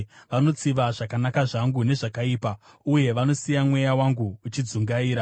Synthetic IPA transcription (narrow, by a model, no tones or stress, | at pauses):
ʋano̞t͡siʋaʐakanakaʐaŋɡune̞ʐakaiːpa | uje̞ʋano̞sijamwe̞jawaŋɡuːt͡ʃid͡zuŋɡaiːɾa